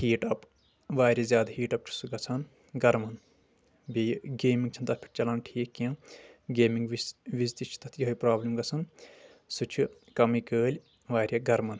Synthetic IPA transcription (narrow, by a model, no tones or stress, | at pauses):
hiːʈɐp | ʋaːɾʲɐzʲjaːd̪hiːʈɐp̚t͡ʃʰu̥suɡɐt͡sʰɐn | ɡɐɾmɐn | bʲijɡeːmĩŋɡ̚t͡ʃʰɐnt̪ɐt̪̚ʰpʰi̥ʈt͡ʃɐlaːnʈʰiːkːiɐ̃ːɡeːmiŋɡʋiʋizt̪it͡ʃʰi̥t̪ɐt̪ʰjɦɐjpɾaːblimɡɐt͡sʰɐn | sut͡ʃʰukɐmikəːlʲ | ʋaːɾʲjɐɡɐɾmɐn